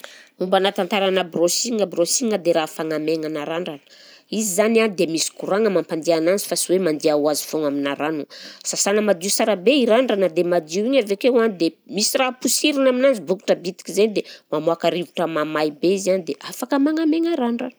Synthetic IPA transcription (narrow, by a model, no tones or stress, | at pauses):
umbanat̪ant̪aɾanəbrosiŋəbrosiŋəd̪eɾafaŋameŋanaɾaɳɖ͡ʐanə̥ | izizananid̪emisi̥kuɾaŋəmampand̪iananzi̥fasiwemand̪iawazi̥foŋaminaɾanusasanəmad̪iusaɾabeiɾaɳɖ͡ʐanəd̪emad̪iiɲavekewanid̪emisirapusiɾinaminanzibuku̥ʈ͡ʂəbit̪i̥kizenid̪emamoakaɾivuʈ͡ʂəmamajbeizianid̪eʔafakəmaŋameŋaɾaɳɖ͡ʐan